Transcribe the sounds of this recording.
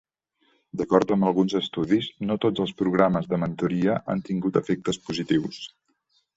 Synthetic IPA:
d̪əkɔɾt̪əmbəlˠɣunzəst̪uðiznot̪od͡zəlˠspɾuɣ̞ɾaməzðəmənt̪uɾiəʔa̰nt̪iŋɡut̪əfek̚t̪əspuzit̪iws

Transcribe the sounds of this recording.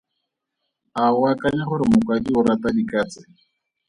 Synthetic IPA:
aʊakʼaɲaχʊɾɪmʊkʼwadiʊɾatadikʼaːt͡sʼɪ

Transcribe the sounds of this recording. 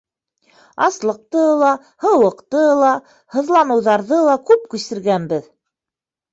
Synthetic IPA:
ɑslˠɤ̆q̚t̪ɤlˠɑ | hɤ̆wɤ̆qt̪ɤlˠɑ | hɤ̆ðlˠɑnɤ̆wðɑɾðɤlˠɑkʉp̚kʉsɘ̆ɾɡænbɘð

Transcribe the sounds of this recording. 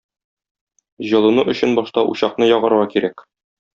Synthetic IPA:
ʑɤ̆lˠɤ̆nuʔɵ̆ɕɘnbɒʃt̪ɑʔṵɕɑqnɤjɒʁɤ̆ɾɤ̆ʁɑkiɾæk

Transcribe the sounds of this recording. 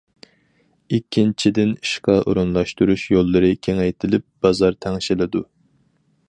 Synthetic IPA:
ikʲʰːint͡ʃʰid̪ɪniʃqɑʔo̰ɾunlˠɑʃt̪uɾuʃjolˠːɨɾɨkʲʰeŋɛjt̪ʰɪlɪp̚b̥ɑzɑɾt̪ʰɛŋʃɪlɪd̪u

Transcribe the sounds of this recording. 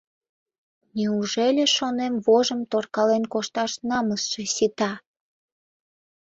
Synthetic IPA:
niuʒelʲeʃonemβoʒəmt̪orkɑlenkoʃt̪ɑʃnɑməsʃesit̪ɑ

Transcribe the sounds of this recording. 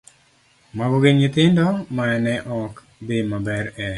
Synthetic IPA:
maɡoɡeɲʊt̪ɪndɔmaɛnɛʔɔk | d̪emabɛɾɛ

